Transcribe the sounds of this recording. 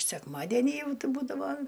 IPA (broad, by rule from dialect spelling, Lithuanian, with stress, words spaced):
sʲɛkmɐˈdʲæːnʲɪ ˈjɛʊ ˈtʲɪ ˈbuːdɐʋoː